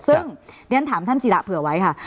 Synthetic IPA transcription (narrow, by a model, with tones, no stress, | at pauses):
sɯ˥˩ŋɾi˧ənt̪ʰaː˩˦mt̪ʰa˥˩nsi˨˧la̰˨˧˩pʰɯ˨˧˩ɐ˦wa˦˥jkʰa˥˩